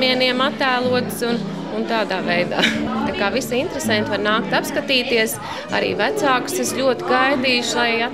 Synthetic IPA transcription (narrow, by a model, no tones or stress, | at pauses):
iɛniɛmat̪ːæːlˠuɔt̪sun | unt̪aːd̪aːvɛjd̪a̰ːt̪akaːvisint̪ɾesɛ̃nt̪ʋaɾnaːkt̪apskat̪iːt̪iɛs | a̰ɾḭːvæt̪saːkseslʲuɔt̪ɪɡajd̪iːʃlˠaja